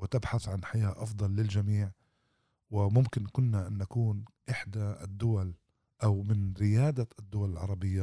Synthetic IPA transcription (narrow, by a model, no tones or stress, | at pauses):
wɪt̪ɪbħaθʕanħajaːʔɑfd̪ˤɑlːɪld͡ʒamiːʕ | wɪmʊmkɪnkʊnːaʔanːakuːnʔɪħd̪a̰d̪ːʊwal | ʔawmɪnɾɪjaːd̪aʔɪd̪ːʊwalɪlʕɑɾˤɑbɪjːa